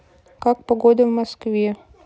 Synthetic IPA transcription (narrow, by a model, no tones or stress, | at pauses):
kak̚pɐɡod̪əvmɐskvʲe